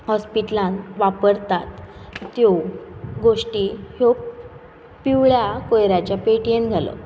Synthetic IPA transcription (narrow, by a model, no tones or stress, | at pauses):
hɔspiʈlãnʋapəɾt̪at̪ːjoɡoʂʈiho | pːiʋɭjakojɾjat͡ɕjapeʈjenɡʱalə̰